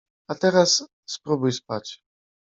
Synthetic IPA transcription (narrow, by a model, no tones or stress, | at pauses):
at̪ɛɾasː | pɾubujspat͡ɕ